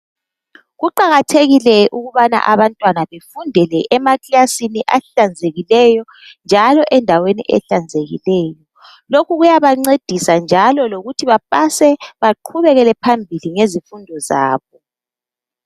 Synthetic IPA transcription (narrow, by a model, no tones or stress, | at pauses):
ɣuǃaɣatʰeɣilɛʔuɣuβana̰ʔaβantʼwanaβefundʱɛlɛʔɛmakiasiniʔaɬand͡zʱeɣilɛjɔ | nd͡ʒʱalɔʔɛndʱawenḭʔɛ̰ɬand͡zʱeɣḭlɛːjɔ | lokuɣujaβaŋ͡ǀed̥ʱisand͡ʒʱalɔloɣutʰiβap̚ʼasɛβaǃʰuβɛɣɛlɛpʰambʱiliŋezifundʱɔza̰ːβɔ